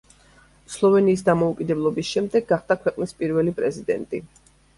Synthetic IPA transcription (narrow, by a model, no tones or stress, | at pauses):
slˠɔvɛniːsd̪amɔukʼid̪ɛblˠɔbisʃɛmd̪ɛɡːaχd̪̥akʰwɛqʼnispʼiɾvɛlipʼɾɛzid̪ɛ̰nt̪ʼi